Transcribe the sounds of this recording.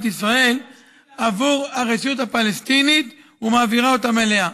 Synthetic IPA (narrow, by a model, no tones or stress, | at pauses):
t̪isʁae̞l | avuʁaʁeʃut̪hapalest̪init̪ | umaːviʁao̞t̪amele̞a